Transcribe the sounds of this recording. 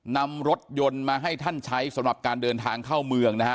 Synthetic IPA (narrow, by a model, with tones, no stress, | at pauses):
na˧mɾo˦˥t̪̚jo˧nmaː˧ɦa˥˩jt̪ʰa˥˩nt͡ɕʰa˦˥jsa˨˦mɾa˨˩p̚kaː˧ndɤː˧nt̪ʰaː˧ŋkʰaː˥˩wmɯ˧əŋna˦˥ka˦˥